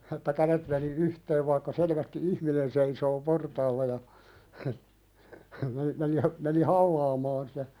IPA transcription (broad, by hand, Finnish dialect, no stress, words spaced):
etːæ kælet meni yhteːʋ ʋɑikːɑ selʋæsti ihminen seisoː portɑːlːɑ jɑ hə hə meni meni hə meni hɑlːɑːmɑːn sitæ